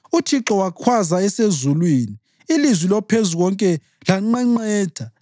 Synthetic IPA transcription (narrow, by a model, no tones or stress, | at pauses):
utʰiǁɔwakʰwazaɛsezulwiːni | ilizwilɔpʰezuɣɔŋkʼɛ | laŋ͡ǁɛŋ͡ǀɛːd̥ʱa